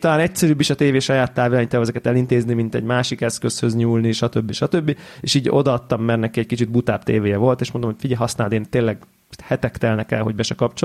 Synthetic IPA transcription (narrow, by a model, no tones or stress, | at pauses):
ɒlaːnɛcsɛɾyːbːiʃɒt̪eːveːʃɒjaːt̪ːaːvilaːɲit̪ɛːvɛzɛkɛt̪ɛlint̪eːznimint̪ɛ̰ɟmaːʃikɛskø̞shø̞zɲuːlniʃɒt̪ø̞bːiʃɒt̪øbːieːʃiːɟo̞d̪ɒːt̪ːɒmːɛrnɛkːiɛckit͡ʃid̪̚but̪aːpt̪eːveːjɛvo̞lt̪eːʃmond̪omo̥fiɟɛɦɒsnaːld̪eːnt̪eːlːɛɡ | hɛt̪ɛkt̪ɛlnɛkɛlɦo̞ɟ̚bɛʃɛkɒpt͡ʃo